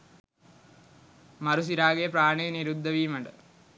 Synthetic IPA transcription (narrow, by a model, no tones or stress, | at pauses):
mɐɾus̬iɾaːɡejɐpɾaːɳejniɾud̪ʱːɐʋiːmɐɳɖə